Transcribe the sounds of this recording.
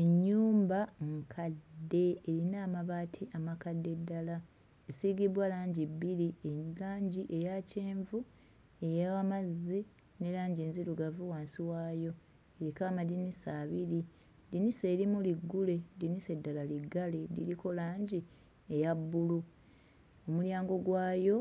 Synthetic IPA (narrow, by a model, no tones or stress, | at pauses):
eɲːuːmbaŋkʰadːe̞ːɾinaːmaβaːtʰiʔamakadːe̞dːala | esiːɡiβwalaːɲɟibːilielaːɲɟiʔe̞jaceːɱvu | e̞jawamazi | ne̞laːɲɟiːnziɾuɡavuwaːnsiwaːjo̞ | eɾikaːmadinisaːβiɾi | d̪inise̞ːɾimuliɡːule̞dinise̞dːalaliɡːale̞dḭlikʰo̞laːɲɟi | ejabːulu | omuljaːŋɡo̞ɡwaːjo̞